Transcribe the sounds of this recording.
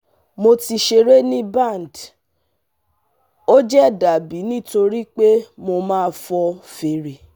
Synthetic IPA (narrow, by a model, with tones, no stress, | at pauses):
mo˧ti˧ʃe˧ɾe˦nĩ˦bã˦˨n˨d | o˦d͡ʒɛ˦˨da˨bi˨˦nĩ˦˨to˧ɾi˦k͡pe˦mo˧mãː˦˧fɔ˧fe˨ɾe˨